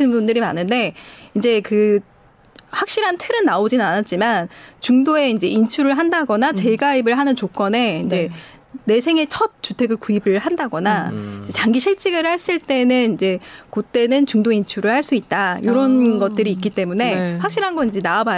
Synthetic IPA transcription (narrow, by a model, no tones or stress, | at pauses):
ɯnbundɯɾimanɯnde̞ind͡ʑe̞kɯ | ɸwak̚ɕ͈iɾantʰɯɾɯnːaod͡ʑinɯnanat̚t͡ɕ͈imant͡ɕuŋdoe̞ind͡ʑe̞int͡ɕʰuɾɯɭɦandaɡʌnat͡ɕe̞ɡaibɯɭɦanɯnt͡ɕok͈ʌne̞ind͡ʑe̞ | ne̞sʰe̞ŋe̞t͡ɕʰʌp̚t͡ɕ͈utʰe̞ɡɯɭkuibɯɭɦandaɡʌnaid͡ʑe̞t͡ɕaŋɡiɕʰiɭt͡ɕ͈iɡɯɭhaɭs͈ɯɭt͈e̞nɯnind͡ʑe̞kot͈e̞nɯnt͡ɕuŋdoint͡ɕʰuɾɯɭhaɭs͈uit̚t͈ajoɾʌnɡʌt̚t͈ɯɾiːk͈it͈e̞mune̞ɸwak̚ɕ͈iɾɦanɡʌnind͡ʑe̞naːba